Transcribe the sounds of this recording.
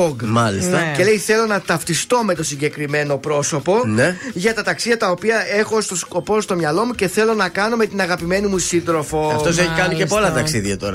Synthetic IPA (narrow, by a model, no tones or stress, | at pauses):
oɡmɐlist̪ɐce̞leijθe̞lo̞nɐt̪ɐft̪ist̪o̞me̞t̪o̞siɲɟe̞kɾime̞no̞pɾo̞so̞po̞neʝɐt̪ɐt̪ɐksiðʝɐt̪ɐopiɐe̞xo̞st̪osko̞po̞st̪o̞mɲɐlo̞muce̞θe̞lo̞nɐkɐno̞me̞t̪inɐɣɐpime̞nimusind̪ɾo̞fo̞ɐft̪o̞s̬eçikɐniepo̞lɐt̪ɐksiðɐt̪o̰ɾɐ